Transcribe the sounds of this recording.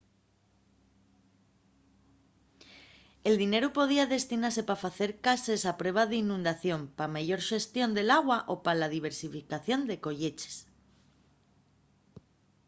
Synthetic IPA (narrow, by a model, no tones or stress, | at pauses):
e̞ld̪ine̞ɾupo̞ð̞iaðe̞st̪inas̬e̞pafaθe̞ɾkase̞sapɾweβ̞aðeinũnd̪aθjo̞mpamaʝo̞ɾʃe̞st̪jo̞nd̪e̞laɣwaʔo̞palaðiβ̞e̞ɾsifikaθjo̞nd̪e̞ko̞ʝe̞t͡ʃe̥s